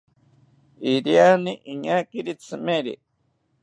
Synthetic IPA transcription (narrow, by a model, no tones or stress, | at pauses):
iɾianiʔiɲakiɾit͡sɨmeɾḭ